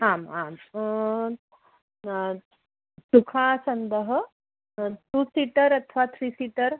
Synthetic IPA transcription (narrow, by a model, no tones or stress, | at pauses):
aːmaːm | sukʰaːsɐnd̪əɦə | t̪usiʈəɾɐt̪ʰəʋat̪ʰɾiːsiːʈəɾ